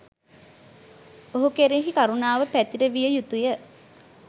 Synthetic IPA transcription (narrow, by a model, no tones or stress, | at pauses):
oɦukeɾiɦikaɾunaːʋəpæt̪iʈəʋijəjut̪ujə